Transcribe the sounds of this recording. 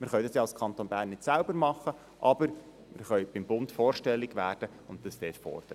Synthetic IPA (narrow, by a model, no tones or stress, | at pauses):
mɪɾχœʏdɑsjɑːlskʰɑnt̪oːnbæːɾnːɪtsælbəɾmɑχːə | ʔɑb̥əɾ | mɪɾχœɥb̥ɪmbʊntfoːɾʃtɛlːɪɡʋæːɾd̥ə | ʊntd̥ɑsd̥ɛːtfɔ̰ːrd̥əɾə